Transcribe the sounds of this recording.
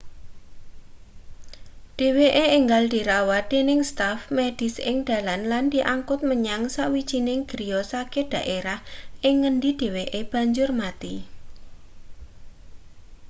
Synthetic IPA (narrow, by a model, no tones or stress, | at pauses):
d̥e̤weʔeːŋɡald̪̥iɾawad̪̥enɪŋst̪afmed̥ɪ̤sɪ̰ŋd̪̥a̤lanland̥̪iʔaŋkʊt̪̚məɲaŋsaʔwi̥d͡ʒ̥inɪŋɡ̥ɾijɔsaked̥ä̤ʔeɾahʔɪŋːəndid̥e̤weʔeb̥ä̤ɲd͡ʒʊrmat̪i